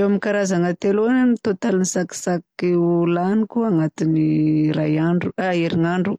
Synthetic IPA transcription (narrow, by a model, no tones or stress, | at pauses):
ewamikaɾazaŋat̪elonanit̪ot̪alinisaki̥sakiulanikuaŋat̪iniɾajaɳɖ͡ʐuaeɾiŋaɳɖ͡ʐu